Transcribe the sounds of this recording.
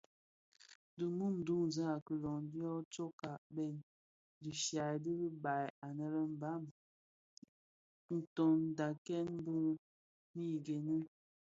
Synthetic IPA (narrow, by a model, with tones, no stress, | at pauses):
di˨mu˦m̩˨du˦ŋ˨za˦a˨kə˨lɔ˨ŋ˦di˦ɔ˦t͡ʃo˦ka˨bɛ˦˨n | di˨ʃja˨di˦li˦ba˨ja˨nɛ˦ɾɛ˦m̩˨ba˦˨m | n̩˨tɔ˨n˨da˨kɛ˦n˦bu˦ŋ | mi˦˨ɡe˨ni˦